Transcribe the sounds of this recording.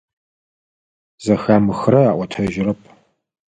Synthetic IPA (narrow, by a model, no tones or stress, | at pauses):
zɐxaːmɨxrɐaːʔʷɔtʰɐʒɪrɐpʰʼ